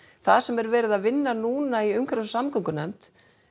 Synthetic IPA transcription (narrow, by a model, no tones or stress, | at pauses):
θaðsɛmɛɾvɛːɾɪðaðvɪnːanuːnaiʏmkʰvɾassamkʰɔŋkʏnajmt̪